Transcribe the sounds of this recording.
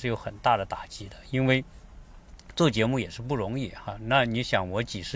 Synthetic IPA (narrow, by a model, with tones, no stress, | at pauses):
ʂɻ̩˥˩jo˧˥ʊxə˨˩nt̪a˥˩d̪ə˩t̪a˨˩t͡ɕi˧˥d̪ə˧i˥nwe˥˧ɪ | ʈ͡ʂwɤ˥˩t͡ɕjɛ˧˥mu˥˩jɛ˨˩ʂɻ̩˥˧pu˥˩ɻʊ˧˥ŋi˥˩xa˧na˥˩ni˧˥ɕjɑ˧˨˥ŋwɔ˧˥t͡ɕi˨˩ʂɻ̩˥˧